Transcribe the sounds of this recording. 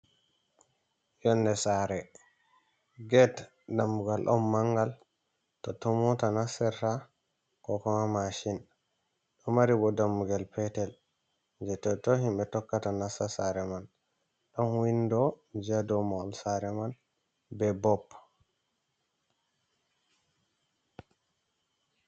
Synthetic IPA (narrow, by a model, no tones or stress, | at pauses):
jɔnːdɛsaɾɛ | ɡɛt | damːuɡalɗɔ̰nmaŋɡal | tɔtɔmɔtanasɛɾta | kɔkɔmamaʃin | ɗɔmaɾibɔdamːuɡalpɛtɛl | ɲd͡ʒɛtɔtɔɦimɓɛtɔkːatanasasaɾɛman | ɗɔnwindɔd͡ʒadɔmɔlsaɾɛman | bɛbɔpː